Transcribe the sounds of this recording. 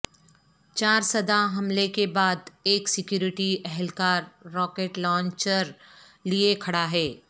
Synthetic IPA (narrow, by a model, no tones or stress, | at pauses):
t͡ʃaːɾsɐd̪ʱaɦɐmlekebaːd̪eːksɪkjuːɾɪʈiʔɛɦɛlkaːɾːɔːkeːʈlɔ̃ːɲt͡ʃəɾ | liekʰɐɽaɦɛː